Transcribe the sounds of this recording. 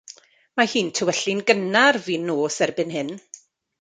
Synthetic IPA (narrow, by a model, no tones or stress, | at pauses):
mahiːntʰəwɛɬɪnɡənarviːnːoːsɛrbɨnɦɨn